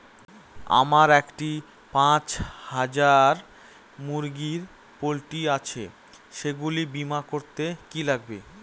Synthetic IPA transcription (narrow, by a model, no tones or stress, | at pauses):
a̰maɾɛkʈi | pãt͡ɕhad͡ʑaɾ | muɾɡiɾ | polʈiat͡ɕʰe | ʃeɡulibimakoɾt̪ekilaɡ̚be